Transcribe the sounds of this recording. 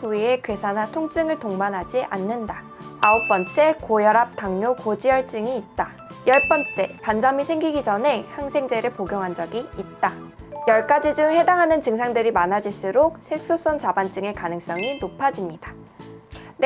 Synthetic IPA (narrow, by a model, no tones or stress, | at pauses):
puie̞kesʰanatʰoŋt͡ɕ͈ɯŋɯɭtoŋbanɦad͡ʑiʔanːɯndaː | uk̚p͈ʌnt͡ɕ͈e̞kojʌɾap̚t͈aŋɲokod͡ʑijʌɭt͡ɕ͈ɯŋiːt̚t͈a | jʌɭp͈ʌnt͡ɕ͈e̞pand͡ʑʌmisʰe̞ŋɡiɡid͡ʑʌne̞haŋsʰe̞ŋd͡ʑe̞ɾɯɭpoɡjʌŋɦand͡ʑʌɡiːt̚t͈ajʌɭk͈ad͡ʑid͡ʑuŋhe̞daŋɦanɯnt͡ɕɯŋsʰaŋdɯɾimanad͡ʑiɭs͈ɯɾok̚sʰek̚s͈os͈ʌnt͡ɕabant͡ɕ͈ɯŋe̞kanɯŋs͈ʌŋinopʰad͡ʑimɲid̥a | n